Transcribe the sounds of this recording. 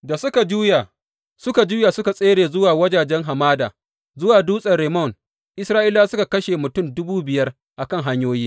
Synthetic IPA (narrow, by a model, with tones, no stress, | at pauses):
da˨sʊ˦ka˨d͡ʒuː˦ja˨ | sʊ˦ka˨d͡ʒuː˦ja˨sʊ˦ka˨sʼeː˦ɽeː˨zʊ˦waː˨wɐ˦d͡ʒaː˨d͡ʒɛ˦ŋɦa˨maː˦da̰ː˨ | zʊ˦waː˨duː˦sʼɐ˨rɽe˨mɔ˦˨n | ʔɪ˦sɾaː˦ʔɪ˦laː˦sʊ˦ka˨kɐ˦ʃeː˨mʊ˨tʊ˦mdʊ˦buː˦bɪ˨jɐ˦r | ʔa˨kɐ˦˨ŋɦa˦ɲjoː˦jiː˦